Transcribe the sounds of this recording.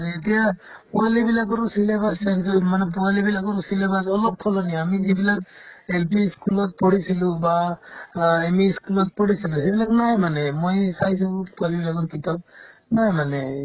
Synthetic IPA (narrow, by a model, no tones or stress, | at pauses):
aɾiːtija | pualibilak̬ɔɾusilebasansɔmanɛp̬ualibilakɔɾusilebasɔlɔp̚pʰɔlɔniamizibilak̚elpʰiskulɔt̚pɔɽisiluba | emiskulɔt̚pɔɽisilusebilaknajmanɛmojsajs̬upualibilakɔɾkitap̚najmanɛ